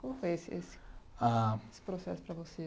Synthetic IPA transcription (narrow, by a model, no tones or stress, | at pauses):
kõmʊfojesɪesɪ̥aesɪ̥pɾosɛsʊ̥pɾɐvose